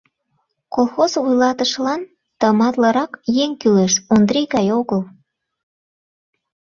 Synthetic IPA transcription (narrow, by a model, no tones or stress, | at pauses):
kolˠxozvujlɑt̪əʃlɑn | t̪əmɑt̪ləɾɑkjeŋkyleʃond̪ɾiɣɑjoɣəl